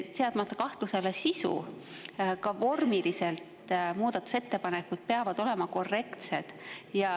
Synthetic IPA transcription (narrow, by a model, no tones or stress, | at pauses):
t̪eɑd̪̥mɑt̪ːˑɑkɑht̪luse̞le̞sisṵ | kɑvo̞rmilise̞lt̪muːd̪̥ɑt̪ːˑu̥se̞t̪ːe̞pɑne̞kːud̪̥̚pe̞ɑvɑd̪̥o̞le̞mɑko̞rːe̞kt̪se̞d̪̥jɑ